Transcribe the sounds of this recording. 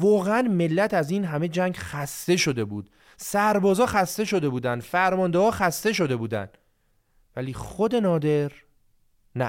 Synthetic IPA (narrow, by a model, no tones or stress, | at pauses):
vɒːɣeænme̞lːæt̪ʰæziːnɦæme̞d͡ʒæŋɡxæst̪e̞ʃo̞d̪e̞buːd̪̥ | sæɾbɒːzɒːxæst̪e̞ʃo̞d̪e̞buːd̪ænd̪fæɾmɒːnd̪ehɒːxæst̪e̞ʃ̬o̞d̪e̞buːd̪æ̰n | væliːxod̪e̞nɒːd̪e̞ɾ | næ